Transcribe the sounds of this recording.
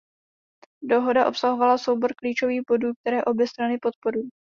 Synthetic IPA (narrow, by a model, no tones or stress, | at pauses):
do̞ɦo̞daʔo̞psaɦo̞valaso̞wbo̞ɾkliːt͡ʃo̞viːxbo̞duːk̚t̪ɛɾɛːʔo̞bjɛst̪ɾanɪpo̞t̪̚po̞ɾuj